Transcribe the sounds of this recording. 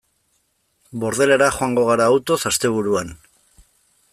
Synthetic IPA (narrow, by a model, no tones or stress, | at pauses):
bo̞ɾðe̞le̞ɾaχoaŋɡo̞ɣ̞aɾaːwt̪o̞sast̪e̞β̞uɾuan